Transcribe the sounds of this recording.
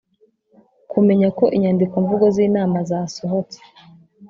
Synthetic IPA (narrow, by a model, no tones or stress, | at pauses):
kume̞ɲako̞ʔiɲaːndikoɱvuɡoziːnaːmazaːso̞ɦot͡se̥